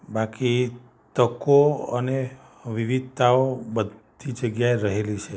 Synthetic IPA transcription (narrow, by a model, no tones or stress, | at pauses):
baki | t̪əkoəne | ʋiʋid̪̚ʱt̪aobəd̪ʱ | id͡ʒəɡjaeɾəɦelit͡ʃʰe